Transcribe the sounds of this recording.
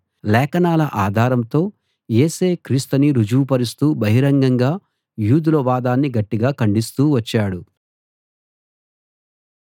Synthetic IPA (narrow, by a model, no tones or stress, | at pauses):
lɛːkɐnaːlɐʔaːd̪ʱaːɾɐmt̪o̞ː | jeːseːkɾiːst̪ɐniɾud͡ʒuːpɐɾist̪uːbɐɦiɾɐŋɡɐŋɡaː | juːd̪ulɐʋaːd̪aːnːiɡɐʈːiɡaːkɐɳɖist̪uːʋɐt͡ʃːaːɽu